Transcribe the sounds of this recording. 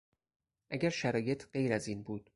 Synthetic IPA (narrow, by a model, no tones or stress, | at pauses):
ʔæɡæɾʃæɾɒːje̞t̪ʰɢe̞jɾæziːnbuːd̪̥